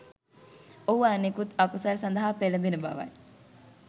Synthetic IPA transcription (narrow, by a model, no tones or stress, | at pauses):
ouaːnekut̪ɐkusalsɐnd̪ɐɦaːpelɐbenuba̰ʋa̰j